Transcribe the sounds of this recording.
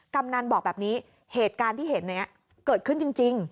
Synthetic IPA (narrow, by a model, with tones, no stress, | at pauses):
ka˧mna˧nɓɔː˨˩t̚ɓaː˨˩p̚ni˨˦ | he˨˩t̪̚kaː˧nt̪ʰi˧˦˥he˨˧˩t̪̚na˨˩jʔa˨˧˦ | kəː˧˩t̚kʰnŋt͡ɕɨ˧ŋt͡ɕi˧ŋ